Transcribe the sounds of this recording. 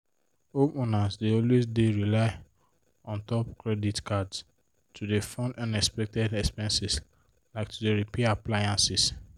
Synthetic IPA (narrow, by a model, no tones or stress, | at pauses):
opunãnsdeɔlwesdeɹilaɪ | ɔ̃ntɔpkɹɛditkʰads | tʰudefɔ̃ndãnɛkspɛk̚tɛdɛkspɛ̃nsis | laɪk̚tʰudeɹipɛaplajãnsis